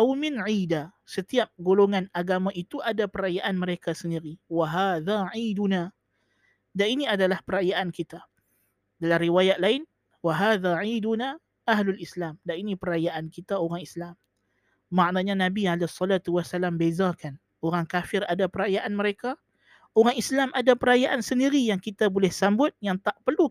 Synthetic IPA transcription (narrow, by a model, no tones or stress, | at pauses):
awmɪnʕiːda | sət̪iap̚ɡoloŋanaɡamãʔit̪uʔadapəɾajaʔanməɾekasəndiɾiwaɦaːðaʕiːduna | dainiadalahpəɾajaʔankit̪a | dalaɾiwajat̪̚laɪn | waɦaːðaʕiːduna | ʔaɦlulislamdainipəɾajaʔankit̪aoɾaŋislam | maʔnaɲanãbialesˤːɔlat̪uwasalambezakan | oɾaŋkafɪradapəɾajaʔanməɾeka | oɾaŋislamʔadapəɾajaʔansəndiɾijaŋkit̪abolɛhsambʊt̪̚jaŋt̪aʔpərlu